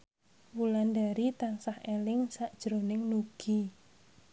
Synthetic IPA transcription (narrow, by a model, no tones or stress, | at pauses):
wulandaɾit̪ansahelɪŋsaʔd̥ʒ̥ɾonɪŋnuɡ̥i